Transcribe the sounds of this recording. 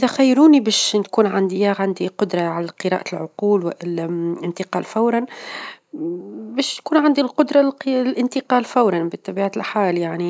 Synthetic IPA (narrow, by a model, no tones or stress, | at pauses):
ʔʔɪðæxajːɾuːnibæːʃnkuːnʕand̪ijaʕand̪iqʊd̪ɾˤɑʕalæqɨɾˤɑ̰ːʔalʕʊquːlwɪʔɪɪnt̪ɪqɑːlfawɾˤɑn | bæːʃt̪kuːnʕand̪ilqʊd̪ɾˤɑqlʔɪnt̪ɪqɑːlfawɾˤɑnbɪt̪ˤːɑbiːʕalħaːljaʕni